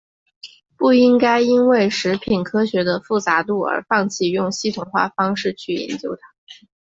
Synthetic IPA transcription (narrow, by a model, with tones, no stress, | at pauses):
pu˥˩i˥ŋka˥ɪi˥nwe˥˩ɪʂɻ̩˧˥pʰi˨˩nkʰɤ˥ɕɥɛ˧˥d̪ə˧fu˥˩t͡sa˧˥t̪u˥˩ə̰˞˧˥fɑ˥˧ŋt͡ɕʰi˥˧jʊ˥˩ŋɕi˥t̪ʰʊ˨˩ŋxwa̰˥˩fɑ˥ŋʂɻ̩˥˧t͡ɕʰy˥˩jɛ̰˧˥nt͡ɕjo˥ʊt̪ʰa˥